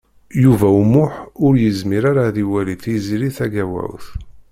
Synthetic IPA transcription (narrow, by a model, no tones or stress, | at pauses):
juvæumʊħʊɾjəzmiɾaɾaðiwæliθiziɾiθæɡæwæ̰wθ